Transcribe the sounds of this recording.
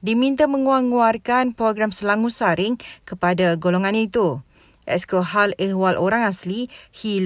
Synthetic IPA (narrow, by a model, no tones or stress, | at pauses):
dimĩnt̪amə̃ŋuaŋuarkanpɾoɡɾamsəlaŋũsaɾɪŋkəpadaɡoloŋãnit̪u | ʔɛskoɦalɛhwalʔoɾaŋaslihil